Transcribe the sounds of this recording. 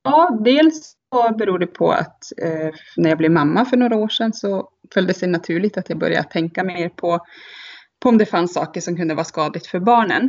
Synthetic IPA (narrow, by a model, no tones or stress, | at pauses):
jɑːd̪eːls | ɔbɛɾuːɖɛpʰɔ̰a̰t̪ | næɾjɑːɡblɛvmamːafœɳoːɾaoːʂɛnsɔ | fœld̪əsɛjnat̪ʰʉ̟ːɭɪɡ̚t̪at̪jɑːɡbœ̰ɾja̰t̪ʰːɛŋkamɛeːɾpʰɔ | pʰɔɔmd̪ɛfansːɑ̰ːkəʂɔmkɵnd̪əvɑːskɑːd̪lɪt̪fœɾbɑːɳən